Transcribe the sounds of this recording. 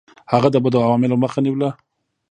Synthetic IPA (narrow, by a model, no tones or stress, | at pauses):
haɣad̪əbəd̪əawɑmɪloməxaniwla